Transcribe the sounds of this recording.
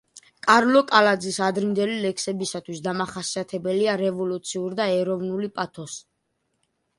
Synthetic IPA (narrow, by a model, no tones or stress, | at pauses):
kʼaɾlɔkʼalad̪zisad̪ɾimd̪ɛlilɛkʰsɛbisat̪ʰwisd̪amaχasiat̪ʰɛbɛliaɾɛvɔlut̪sʰiuɾd̪aɛɾɔvnulipʼat̪ʰɔs